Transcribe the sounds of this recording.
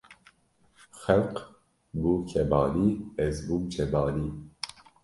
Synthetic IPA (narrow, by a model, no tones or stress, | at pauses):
xɛlq | bukʰɛbɑːliːɛzbumt͡ʃʰɛbɑːliː